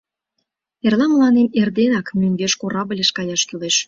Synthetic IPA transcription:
erlɑməlˠɑnemerd̪enɑkmynɡeʃkoɾɑblʲeʃkɑjɑʃt̪yleʃ

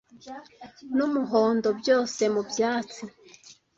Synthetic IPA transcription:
numuɦoːndo̞bjo̞ːse̞mubjaːt͡si

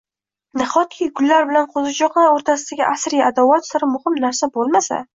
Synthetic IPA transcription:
nɪχɒt̪̚kʲʰɪɡʊlːaɾbɪlanqʰozɪd͡ʒɒqlˠaɾoɾt̪ʰasɪd̪aɡʲɪʔasɾiad̪avat̪saɾɪmʊhɪmnaɾsabolˠmasa̰

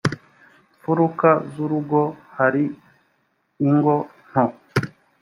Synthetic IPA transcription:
fuɾukazuɾuɡohaɾi | ŋɡo | n̥o

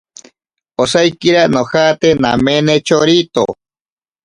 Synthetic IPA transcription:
osajkiɾanohat̪ena̰menet͡ʃoɾit̪o̰

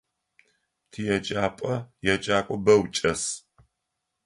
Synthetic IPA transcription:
tʰijɛt͡ʃʼaːpʼɐjɛt͡ʃʼaːkʷʼɔbɐwt͡ʃʼɐs

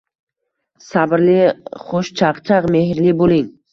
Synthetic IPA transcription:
sabɾlɪχoʃt͡ʃʰɑqt͡ʃʰɑqmehɾlɪbolɪŋ

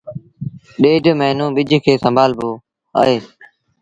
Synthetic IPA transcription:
ɗeːɖmɛːnũːɓɪd͡ʒʱkʰeːsəmbʱaːlboː | a̰ːeː

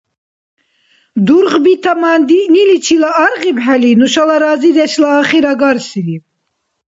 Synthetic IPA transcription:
d̪uɾʁbit̪ʰamand̪inilit͡ʃʰilaːɾʁibħɛlinuʃalaɾazid̪ɛʃlaːχiɾaɡaɾsiɾi

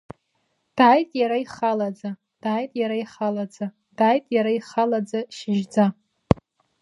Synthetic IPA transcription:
d̥ajtʼjaɾaiχalad͡za | d̥aːjtʼjaɾaiχalad͡za | d̥ajtʼjaɾaiχalad͡zaʃɪʒd͡za

